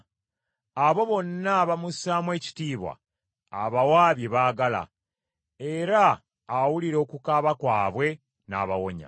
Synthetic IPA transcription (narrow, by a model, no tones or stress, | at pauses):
aβo̞βo̞nːaβamusaːmwe̞ːci̥tiːβwa̰ː | βawaːβjeβaːɡala̰ | e̞ɾaː | wuliɾo̞ːkukaːβakwaːβwe̞ | na̰ːβa̰wo̞ɲa̰